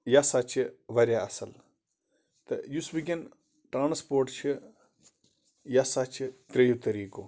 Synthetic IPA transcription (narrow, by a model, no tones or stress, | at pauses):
jasat͡ʃʰiʋɐɾjaɐsɐl | t̪ɐ̰jusbiɡʲɐn | ʈɾaːnspoːɾʈt͡ʃʰi | jasat͡ʃʰit̪ɾɐjut̪ɐɾiːkoː